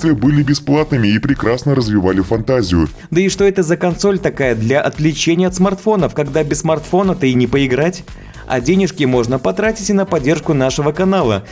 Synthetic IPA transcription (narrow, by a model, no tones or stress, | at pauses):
t̪vʲɪəbɨlʲɪbʲɪsplˠat̪nɨmʲɪːpɾʲɪkɾasnəɾəzvʲɪvalʲɪfɐnt̪azʲɪjʊ | d̪əɪʂt̪o̞ɛt̪əzəkɐnso̞lʲt̪ɐkajəd̪lʲɐʔɐt̪lʲɪt͡ɕenʲɪjəɐt̪smɐrt̪fo̞nəfkɐɡd̪abʲɪsːmɐrt̪fo̞nət̪əɪnʲɪpəɪɡɾatʲ | ɐ̰dʲenʲɪʂkʲɪmo̞ʐnəpɐt̪ɾatʲɪtʲɪnəpɐdʲːerʂkʊnaʂɨvəkɐnalˠə̰